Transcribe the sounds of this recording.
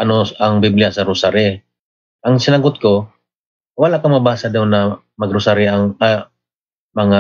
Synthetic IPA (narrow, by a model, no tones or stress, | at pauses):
ʔɐnoɐŋbiblɪasɐɾʊsaɾɪ | ʔɐŋsɪnɐɡʊt̪̚ko | walakɐŋmɐbaːsad̪awnːɐ | mɐɡɾʊsaɾɪɐŋa | mɐŋa